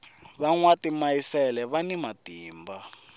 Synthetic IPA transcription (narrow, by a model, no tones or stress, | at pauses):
βaŋwatimaisɛlɛβanimatiːmba